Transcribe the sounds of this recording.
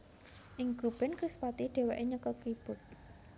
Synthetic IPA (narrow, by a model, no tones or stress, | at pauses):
ʔɪŋɡ̥ub̥ɛnkɾispat̪iɖ̥e̤wɛʔeɲəkəkɾib̥ʊ̤t̪̚